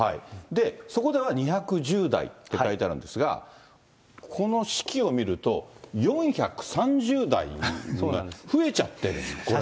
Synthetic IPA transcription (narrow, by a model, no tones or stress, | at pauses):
haḭd̪e̞so̞ko̞d̪e̞βaɲ̟içakɯ̟ʑɨːd̪a̰ḭt̪ːe̞kait̪aɾɯ̟̃nd̪e̞sɨɡa̰ | kʰo̞no̞ɕi̥kʲio̞mʲiɾɯ̟t̪o̞jõ̞ɰ̃çakɯ̟̥sãɲ̟d͡ʑɨːd̪a̰ḭoaɸɯ̟e̞t͡ɕat̪ːe̞ɾɯ̟̃o